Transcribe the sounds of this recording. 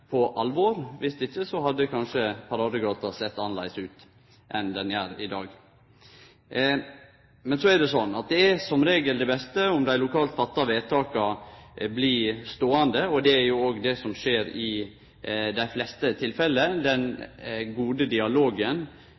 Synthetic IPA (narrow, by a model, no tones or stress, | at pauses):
pʰɔʔɑlʋoːɾʋɪst̪ɪçːəsɔɦɑd̪ːəkʰɑnʂəpʰɑɾɑːd̪əɡɑːt̪ɑsɛt̪ːɑnːəlæ̰ɪsʉːt̪ | ʔɛnd̪ɛnjæːɾɪd̪ɑːɡ | mɛnsɔæɾɖ̪ɛsɔnːɑt̪̚d̪ɛæɾsɔmɾeːɡəld̪ɛbɛst̪əʊmd̪æɪlʊkʰɑːlt̪fɑt̪ːɑʋeːt̪ʰɑːkɑblist̪oːɑnd̪əɔd̪ɛæɾjʊoːɡd̪ɛsɔmʂeːɾɪ | d̪æɪflɛst̪ət̪ʰɪlfɛlːəd̪ɛnɡuːd̪əd̪ɪɑloːɡən